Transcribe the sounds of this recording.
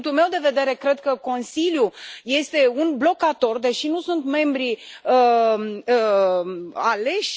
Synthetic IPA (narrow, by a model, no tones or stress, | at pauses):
ŋkt̪ulme̞wd̪e̞ve̞d̪e̞ɾe̞kɾe̞d̪̚kəko̞nsiljuje̞st̪e̞unblo̞kat̪o̞rd̪e̞ʃinusunt̪me̞mbɾiə | ale̞ʃʲ